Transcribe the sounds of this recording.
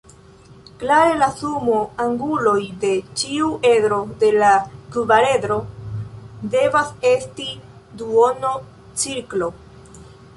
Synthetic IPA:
klaɾe̞lasumoaŋɡulo̞jde̞t͡ʃiuʔe̞dɾo̞de̞lakvaɾe̞dɾo̞ | de̞vase̞sti | duono | t͡siɾklo̞

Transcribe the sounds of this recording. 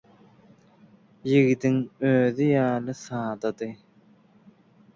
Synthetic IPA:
jiɣid̪iŋøːðijɑːlɯsɑːd̪ɑd̪ɯ

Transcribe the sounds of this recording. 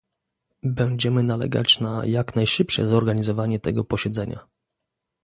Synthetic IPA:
bɛɲd͡ʑɛmɘnalɛ̰ɡa̰t͡ɕnajaknajʂɘpʂɛ̰zɔɾɡaɲizɔvaɲɛt̪ɛɡɔpɔɕɛd̪zɛɲa̰

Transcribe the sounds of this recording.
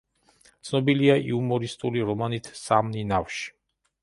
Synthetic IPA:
t̪sʰnɔbiliaʔḭumɔɾist̪ʼuliɾɔmanit̪ʰsamninafʃi̥

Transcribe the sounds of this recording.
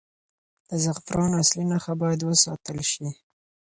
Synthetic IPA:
d̪̥əzaxt̪ɾɑnaslinaxabɑjad̪wəsɑt̪əlʃi

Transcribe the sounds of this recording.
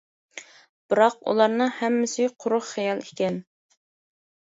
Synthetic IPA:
b̥ɨɾɑq̚ṵlˠɑɾnɨhɛmːɪsɪqʰʊɾʊχχɛjɑlˠikʲɛn

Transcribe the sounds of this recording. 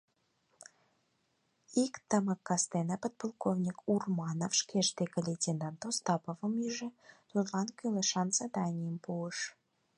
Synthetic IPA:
ikt̪əməkːɑst̪enɑpod̪̚polˠkovnʲikurmɑnofʃkʲeʃt̪ekəlʲet̪ʲend̪ɑnt̪ost̪ɑpovə̆myʒɘ̆d̪ud̪lˠɑnkʲylˠeʃɑnsɑd̪ɑnʲijəmpuəʃ

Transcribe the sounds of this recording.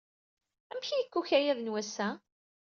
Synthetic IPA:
æmçijəkːuçæjæðənwæsːæ

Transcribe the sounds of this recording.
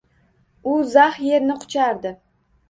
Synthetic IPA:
ʊzahje̞ɾnɪqʰʊ̥t͡ʃʰaɾd̪ɪ

